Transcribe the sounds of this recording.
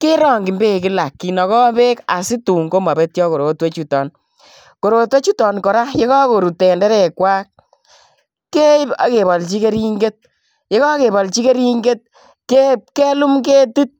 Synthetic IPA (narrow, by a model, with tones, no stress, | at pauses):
ke˦ɾɔː˦˨ŋɡi˨mbe˦˨kɪ˦la˨kːi˨nɔ˨kɔ˦pe˦ka˨si˦tu˨ŋɡo˦ma˨be˦tjɔ˦ko˨ɾo˨twe˦t͡ʃu˨tɔ˨n | ko˨ɾo˨twe˦t͡ʃu˦tɔ˨nkɔ˨ɾa˦je˦kɔ˦ko˨ɾu˨te˨ndɛ˦ɾɛ˨kwaː˦k̚ | kːe˦a̰˨ke˨bɔ˨lt͡ʃi˦ke˦ɾi˦ŋɡe˦t̚ | je˦kɔ˦ke˨bɔ˨lt͡ʃi˦ke˦ɾi˦ŋɡe˦t̚ | ke˦ke˦lu˦mke˦tu˦t̚